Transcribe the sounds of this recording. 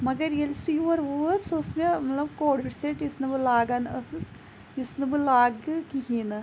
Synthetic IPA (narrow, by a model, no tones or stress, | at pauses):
mɐɡɐɾjelsujuʋɐɾʋuɾsosmemɐt̪lɐbkoːɖʋiʈseʈjusnɐbɨlaːɡɐnɐsɨs | jusnɨbɨlaːɡkiɦiːnɨ